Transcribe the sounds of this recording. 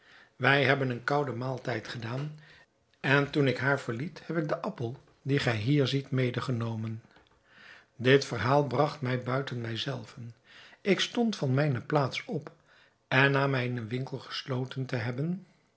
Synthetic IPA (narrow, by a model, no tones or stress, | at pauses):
ʋɛjɦɛbənənkɑwdəmaːlˠtɛjtχədaːn | ɛntunɪkɦaːɹvəɹlithɛpɪk̚dəʔɑpəlˠ | diχɛjɦiːɹzitmejdəχənowmən | dɪtfəɹɦaːlˠbrɑχtmɛjbœɥtənmɛjzɛlˠvən | ʔɪkstɔntfɑnmɛjnəplaːtsɔp | ɛnːaːmɛjɪnənʋɪŋkəlˠχə̥slowtəntəɦɛbən